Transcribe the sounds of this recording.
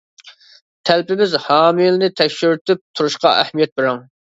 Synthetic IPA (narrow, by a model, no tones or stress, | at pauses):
t̪ʰælpɪmɪzhɑːmɪlnɪt̪ʰɛkʲʃyɾt̪ɪp̚t̪ʰuɾuʃqɑ̰ʔæhmijɛt̪̚bɪɾɑŋ